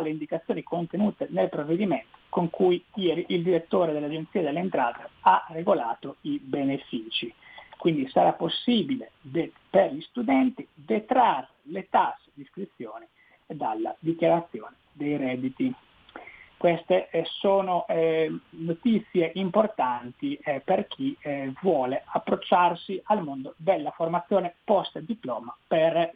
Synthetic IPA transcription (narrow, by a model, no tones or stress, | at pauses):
alːeind̪ikat̪sːjoːnikont̪enuːt̪enelpɾovːed̪imɛnt̪o̥koŋkujjɛːɾiʔild̪iɾet̪ːoːɾed̪elad͡ʒent̪siːad̪elːeɛnt̪ɾa̰ːt̪earːeɡolaːt̪oibenefiːt͡ʃikwind̪isaɾapːosːiːbiled̪e | peɾlist̪ud̪ɛnt̪id̪et̪ɾarːelet̪asd̪iskɾit̪sːjɔːni | d̪alːa̰d̪ikjaɾat̪sːjoːne | d̪ejɾɛd̪it̪i | kwɛst̪esoːno | not̪it̪sːjeʔimport̪ant̪iperk̟ʰivwɔːleapːɾot͡ʃːarsialmond̪od̪elːaformat̪sːjoːnepɔst̪ad̪iplɔːmaper